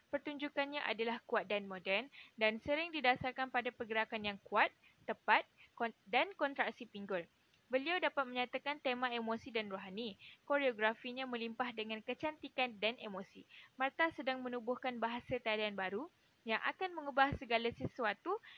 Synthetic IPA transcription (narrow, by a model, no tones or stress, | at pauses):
pərt̪uɲd͡ʒukanɲãʔa̰dalahkuat̪̚danmodɛrndansəɾɪŋdidasarkanpadapərɡəɾakanjaŋkuat̪̚ːəpat̪̚kdankɔnt̪ɾak̚sipiŋɡʊl | bəliawdapat̪̚mə̃ɲat̪akant̪emãemõsidanroɦanikoɾeoɡɾafiɲãmə̃limpahdəŋãnkət͡ʃant̪ikandanʔemõsimərt̪asədaŋmə̃nubʊhkanbaɦasat̪adaanbaɾu | jaŋʔa̰kanmə̃ŋəbahsəɡalasəsuat̪u